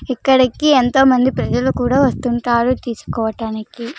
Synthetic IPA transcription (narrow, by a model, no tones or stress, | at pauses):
ikːɐɽikient̪o̞ːmɐnd̪ipɾɐd͡ʒɐlukuːɽaːʋɐst̪uɳʈaːɾut̪iːsu̥kɔːʋɐʈaːniki